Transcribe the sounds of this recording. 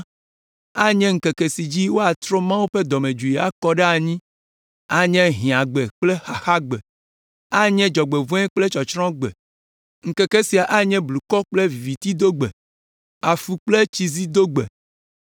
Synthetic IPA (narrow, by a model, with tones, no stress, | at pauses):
a˦ɲɛ̃˦ŋ̩˨ke˨ke˨si˨d͡ʑi˦wo˦a˨t̪ɾo˦mã˦wu˦ɸe˦d̪ɔ˨mẽ˨d͡ʒu˨ji˨a˨kɔ˦ɖɛ˦a˨ɲĩ˦ | a˨ɲɛ̃˦ɦĩ˨a˨ɡ͡be˨k͡ple˦xa˨xa˦ɡ͡be˨ | a˦ɲɛ̃˦d͡ʒɔ˨ɡ͡be˨vɔ̃˦ɛ˦k͡ple˦t͡ʃɔ˨t͡ʃɾɔ̃˦ɡ͡bḛ˨ | ŋ̩˨ke˨ke˦si˨a˨ʔa˦ɲɛ̃˦blu˨kɔ˦k͡ple˦vi˨vi˨t̪i˦d̪o˦ɡ͡bḛ˨ | a˨fu˨k͡ple˦t͡ʃi˨zi˦d̪o˦ɡ͡bḛ˨